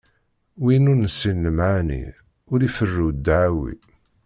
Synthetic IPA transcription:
winuɾnəsːinːəmʕanḭ | ʊɾifərːuwd̪ʕawḭ

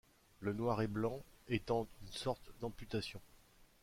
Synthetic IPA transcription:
lənwaʁɛblɑ̃et̪ɑ̃ynsɔʁt̪d̪ɑ̃pyt̪asjɔ̃

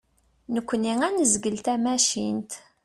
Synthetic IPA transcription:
nəkʷːəniŋænəzɡəlt̪æmæʃint̪

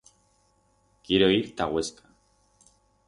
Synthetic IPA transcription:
kiɾoiɾt̪aɣweskʰḁ

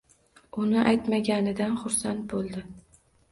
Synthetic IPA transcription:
ʊnɪʔajt̪maɡʲanɪd̪anχʊɾsant̪̚bolˠd̪ɪ

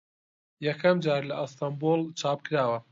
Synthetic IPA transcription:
jɐkʰɐmd͡ʒaːɾlɐʔɨst̪ambolt͡ʃʰaːp̚kɨɾaːwɐ

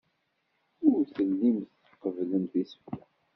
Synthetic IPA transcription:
ʊɾθəlːimθ | əqəvləmθiswa

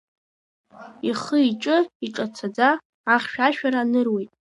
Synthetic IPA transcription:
iχəiʈ͡ʂʼɨiʈ͡ʂʼat͡sʰad͡zaː | χʲʃᶣaʃᶣaɾaːnɨrwejtʼ

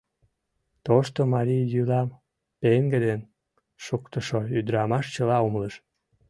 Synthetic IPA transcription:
t̪oʃt̪omɑɾʲijjylɑm | peŋɡed̪en | ʃukt̪əʃoyd̪ɾɑmɑʃt͡ɕəlɑumləʃ

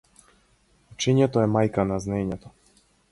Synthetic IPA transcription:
ut͡ʃiɲɛt̪ɔɛmajkanaznɛɲɛt̪ɔ

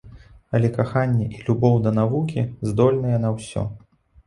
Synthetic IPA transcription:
ɐlʲɛkaxanʲːɛʔilʲubɔwd̪ɐnavukʲizd̪ɔlʲnɐjɛn̪ɐwsʲɔ̰

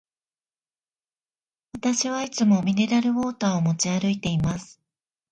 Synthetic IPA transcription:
βat̪aɕiβait͡sɨmo̞mʲine̞ɾaɾɯ̟βo̞ːt̪aːomo̞t͡ɕiaɾɯ̟it̪e̞imasɨ̥

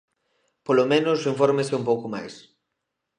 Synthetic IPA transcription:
polomẽnʊsiɱfoɾmesɪumpowkoma̰js

